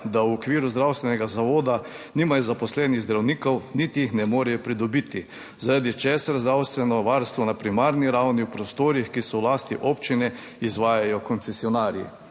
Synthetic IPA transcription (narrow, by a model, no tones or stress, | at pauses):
d̪awɔkʋiːɾuzd̪ɾawst̪ʋɛnɛɡazaʋoːd̪a | nimajzapɔslɛːniɣzd̪ɾawniːkɔwnit̪ijixnɛmoːɾɛjɔpɾid̪ɔbiːt̪i | zaɾad̪it͡ʃɛːsaɾzd̪ɾawst̪ʋɛnɔʋaɾst̪ʋɔnapɾimaːɾniɾawniwpɾɔst̪oːɾixkisɔwlaːst̪iʔoːpt͡ʃinɛ | izʋaːjajɔkɔnt̪sɛsiɔnaːɾjḭ